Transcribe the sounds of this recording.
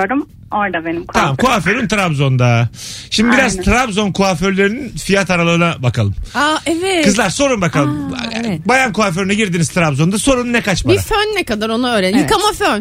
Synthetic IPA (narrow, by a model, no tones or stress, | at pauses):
ɾd̪um | oɾd̪abenimkʰt̪ʰamamkʰuaføɾynt̪ʰɾabzo̞nd̪aʃimd̪ibiɾazt̪ʰɾabzo̞nkʰuaføɾlʲe̞ɾininfijat̪aɾalˠaɾɯnabakalˠɯmaɛvɛkɯzlˠaɾso̞ɾunbakalˠɯmbajankʰuaf̬øɾinɛɟiɾd̪iniz̥t̪ʰɾabzo̞nd̪aso̞ɾunnɛkat͡ʃmaiɾafønːɛkad̪aɾo̞naøːɾenikamaføn